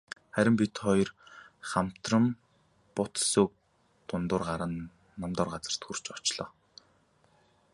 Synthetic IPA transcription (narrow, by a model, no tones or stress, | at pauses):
χæɾʲɪ̆mpit̪χɔjrχam̥t̪rə̆m | pʊt̪sok̚ | t̪ʊnt̪ʊːrɢaɾə̆nː | amt̪ɔːrɢat͡sə̆r̥t̪xur̥t͡ɕɔt͡ɕɮɔː